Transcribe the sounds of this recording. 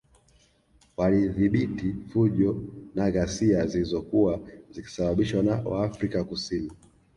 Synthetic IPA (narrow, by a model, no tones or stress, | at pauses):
waliðiɓitifuʄɔnaɣasiazilizɔkuwaziki̥saɓaɓiʃwanawa̰ːfɾikakusini